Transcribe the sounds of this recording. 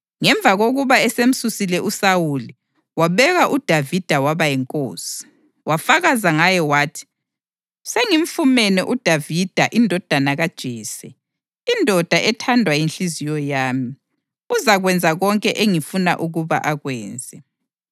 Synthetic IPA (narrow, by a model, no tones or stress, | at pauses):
ŋɛɱb̪vʱaɣoɣuβaɛsem̩susilɛʔusawuli | waβɛɣaʔud̥ʱavid̥ʱawaβajɛŋkʼo̰ːsi̥ | wafaɣazaŋajɛwaːtʰi̥ | seŋim̩fumɛnɛʔud̥ʱavid̥ʱaʔindʱɔd̥ʱanaɣad̥ʒ̥ʱiːsɛ | indʱɔd̥ʱaʔɛtʰandʱwajinɬizijɔjaːmi | uzaɣwɛnd͡zʱaɣɔŋkʼɛʔeŋifuna̰ʔuɣuβa̰ʔaɣwɛːnd͡zʱɛ